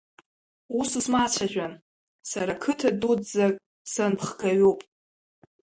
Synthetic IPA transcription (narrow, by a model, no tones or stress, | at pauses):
usɨsmat͡ʃʷʰaʒᶣʷan | saɾakʰɨtʰaduzakʼ | sanpʰχɡʰaɥupʼ